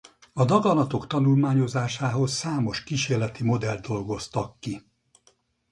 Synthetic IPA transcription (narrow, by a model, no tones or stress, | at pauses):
ɒd̪ɒɡɒnɒt̪o̞kt̪ɒnulmaːɲo̞zaːʃaːɦo̞sːaːmo̞ʃkiːʃeːrlɛt̪imo̞d̪ɛld̪̚d̪o̞lɡo̞st̪ɒkːi